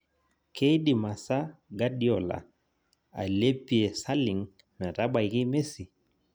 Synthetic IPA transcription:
kʰe˦i˦ɗi˨ma˨sa˦ɡa˦ɗi˦ɔ˨la̰˨ | a̰˨le˦pi˨ɛ˨sa˦li˨ŋ | na˨ta˦ɓa˨iki˦me˦si˨

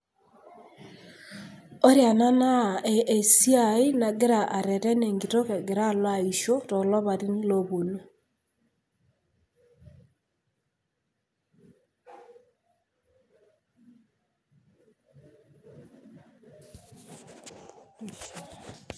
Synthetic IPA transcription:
o˦ɾja˨na˦na˦˨e˨e˨si˦a˨i˦na˨ɡe˦ɾa˨ʔa˨ɾɛ˨tɛ˦ne˨ŋɡi˨to˦kɛ˨ɡe˨ɾa˦˨lwa˦˨i˨ʃo˦tɔ˨lɔ˦βa˨ɾi˦n˦lo˦βo˨no˨

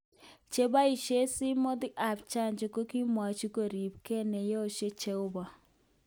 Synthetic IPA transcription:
t͡ʃe˦ba˦i˨ʃe˦si˦mo˦dɪ˦ka˨p̚t͡ʃa˦˨nt͡ʃe˨ko˦ki˦mwa˨t͡ʃi˦ko˨ɾi˨b̚ke˦˨ne˨je˦o˨ʃe˦t͡ʃe˦ʊ˦ba˨

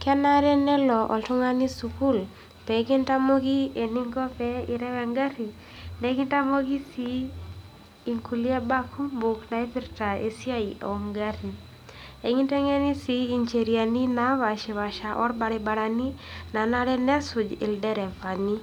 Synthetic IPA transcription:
kɛ˦na˦ɾɛ˦nɛ˦lɔ˨ʔɔ̰˨ltʊ˦ŋa˦ni˦su˨ku˦l | pɛ˨˦kɪ˦nta˦mo˦ɡi˦e˨ni˦ŋɡɔ˦pɛ˦i˨ɾɛ˦wɛ˨ŋɡa˦ɾi˨ | nɛ˨˦kɪ˦nta˦mo˦ɡi˦si˦ | i˨ŋku˨li˦a˦ba˦kʰu˦mbʊ˨kna˨i˦pɪ˦ɾta˨ḛ˨si˦a˦iʔɔ̰˨ŋɡa˦ɾi˨ | e˨ŋi˦te˦ŋe˦ni˦si˦i˨ɲt͡ʃe˨ɾja˨ni˦na˦βa˨ʃe˨βa˨ʃa˨ʔɔ˦rba˨ɾɛ˨ba˨ɾa˨ni˦na˨na˦ɾɛ˦nɛ˦sʊ˨d͡ʒɪ̰˨ldɛ˦ɾɛ˨va˨ni˦

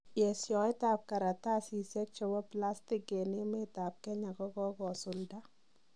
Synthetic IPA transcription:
jɛ˨sjɔ˨ɪ˦taː˨p̚ka˨ɾa˨ta˦si˨sɛ˦k̚t͡ʃɔ˨bɔ˦pla˦stike˨ne˦me˦ta˨p̚kɛ˦ɲa˨kɔ˦kɔ˦kɔ˨sʊ˨lda˦

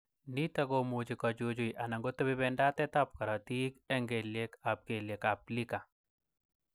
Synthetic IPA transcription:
ni˦t̪a˦ɡomud͡ʒi˨kɔd͡ʒod͡ʒo˨jʔa˨na˨ŋɡo˦t̪o˦bɪ˦bɛndat̪ɛ˦t̪a˦p̚ka˨ɾa˨t̪i˦kɛ˦ŋɡe˨lje˦kap̚ɡe˨lje˨kap̚lika˨

